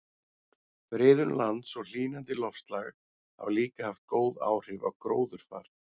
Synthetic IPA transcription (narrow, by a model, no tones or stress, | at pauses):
fɾɪːðʏnlant̪sɔɣl̥iːnant̪ɪlɔfst̪laɣ | ha̰wliːkahaft̪̚koːwða̰ːwr̥ɪva̰wkɾoːwðʏɾ̥fa̰ːɾ̥